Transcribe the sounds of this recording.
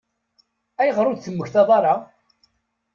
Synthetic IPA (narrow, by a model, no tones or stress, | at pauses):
æjəʁɾˤʊd̪θəmːəçθɑðˤɑɾˤɑ